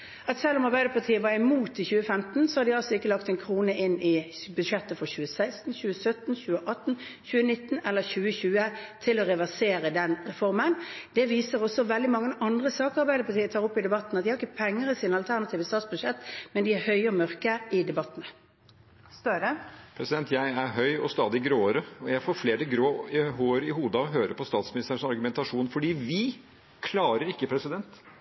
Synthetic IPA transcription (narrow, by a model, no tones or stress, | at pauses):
ɑt̪sɛlːʊmɑʁbæɪd̪əpʰɑt̪ʰiːəʋɑːʁɪmuːt̪ɪçʉːəfɛmt̪n̩sɔhɑʁd̪ɪɑlsɔɪkːəlɑkt̪ɛnkʰʁuːnəʔɪnɪbʉʂɛt̪ːəfɔçʉːəsæɪst̪n̩çʉːəsœt̪n̩çʉːəʔɑt̪ːn̩çʉːənɪt̪ːn̩ɛlːəɾɕʉːəçʉːət̪ʰɪlɔɾɛʋæʁseːɾəd̪ɛnʁɛfɔʁmənd̪̥ɛʋiːsəʁɔsɔʋɛld̪ɪmɑŋːəəʔɑnd̪ʁəsɑːkɑʁbæɪd̪əɾpʰɑʁt̪ʰiːət̪ʰɑːʁɔpːɪd̪ɛbɑt̪nɑt̪̚ɪhɑɾɪkːəpʰɛŋːəɾɪsiːnɑlt̪ʰæʁnɑt̪ʰiːʋəst̪ɑːt̪sbʉd̪ʃɛt̪ːmɛnd̪ɪæɾhœʏəɔmœɾkəɪd̪ɛbɑt̪ːnə | st̪øɾəpʰɾɛsɪd̪ɛnt̪ʰjæɪæɾɦœʏɔst̪ɑːd̪ɪɡɾoːəɾəɔjæɪfoːɾfleːɾəɡɾoːɦoːɾɪhuːd̪əɔɦøːɾəpʰɔst̪ɑːt̪smɪnɪst̪əʂɔɑɾɡʉmɛnt̪ɑʂuːnfɔɖiːʋɪ | kʰlɑːɾəɾɪkːəpʰɾɛsɪd̪ɛnt̪